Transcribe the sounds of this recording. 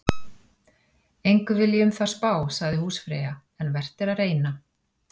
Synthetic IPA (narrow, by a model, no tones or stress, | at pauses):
ejŋkʏvɪljɛʏmθḁspaːwsaɣðɪhuːsfɾɛ̰ːja | ɛnvɛr̥t̪ɪɾaðreːjna